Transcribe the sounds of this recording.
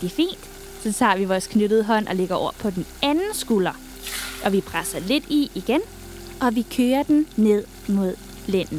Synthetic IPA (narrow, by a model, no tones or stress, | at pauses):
d̥ifḭːnd̥ | sɒ̽t͡sʰɑ̰̈ːʋiʋɒːskʰnøɾ̥əð̞̩ˠəɦɒ̽n̰ʔɒ̽leɡ̥ɐɒ̰ɐpʰɒ̽d̥enænn̩sɡ̥ulɐ | ʔɒ̽ʋipʰʁasɐle̝d̥iiɡ̥en | ʔɒ̽ʋikʰøːɐd̥enne̝ð̰ˠ | mo̝ð̞̰ˠ | len̰n̩